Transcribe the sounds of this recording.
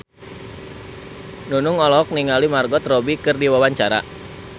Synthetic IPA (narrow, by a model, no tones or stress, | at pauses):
nunʊŋɔlɔk̚niŋalimarɡɔt̪rɔbikɨrdiwawaɲt͡ʃaɾa̰